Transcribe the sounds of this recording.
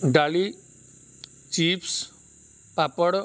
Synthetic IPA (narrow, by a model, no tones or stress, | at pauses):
ɖali | t͡ɕiːps | papəɽ